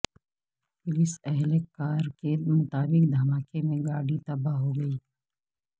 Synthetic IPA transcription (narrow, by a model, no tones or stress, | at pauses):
pʊlɪsɛɦlekːaːɾkemʊt̪aːbɪkd̪ʱɐmaːkemẽɡaːɽit̪ɐbaɦoɡɐiː